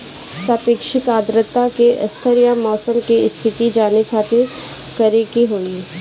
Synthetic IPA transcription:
saːpeːkʃɪk̪aːd̪ɾət̪akeʔɐ̰st̪ʰəɾijamɔːsəmkiɪst̪ʰɪt̪id͡ʒaːnekʰaːt̪ʰe | kəɾeɡiɦoːŋɡiː

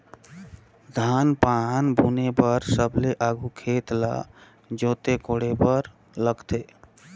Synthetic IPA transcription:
d̪ʱaːnpanbʱuːnepəɾsəbleʔaːɡukʰeːt̪la̰ | d͡ʒoːt̪ekoːɽepəɾ | ləɡt̪eː

